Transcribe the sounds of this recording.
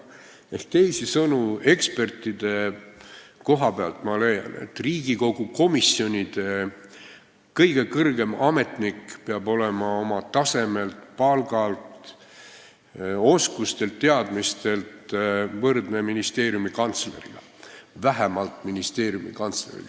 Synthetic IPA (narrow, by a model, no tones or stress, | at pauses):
ehkt̪e̞jsisɤnue̞kspe̞rt̪id̪̥e̞ | ko̞ɦɑpeɑlt̪ˑmɑle̞jɑ̰nḛt̪ːriːɡiko̞ɡ̥uko̞misio̞nʲid̪̥e̞ | kɤjɡe̞kɤrɡe̞mɑme̞t̪nikpeɑbo̞le̞mɑo̞mɑt̪ɑse̞me̞lt̪pɑlɡ̥ɑlt̪ | o̞skust̪e̞lt̪ːe̞ɑd̪̥mist̪e̞lt̪vɤrd̪ne̞minist̪e̞ːɾjumikɑnt̪sle̞̰ɾḭɡ̥ɑ | væɦæmɑlt̪ˑminist̪e̞ːɾjumikɑnt̪slḛɾḭ